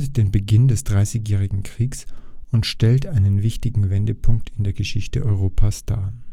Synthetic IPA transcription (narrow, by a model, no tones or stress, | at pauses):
td̥eːnbəɡɪndɛsd̥ʁaɪsɪçjɛːʁ̞ɪɡŋ̩kʁ̥iːksʊntʃtɛltʔaɪnənvɪçtɪɡŋ̩vɛndəpʰʊŋktʰɪndeːɐɡəʃɪçtəʔɔʏʁ̞oːpʰasd̥aː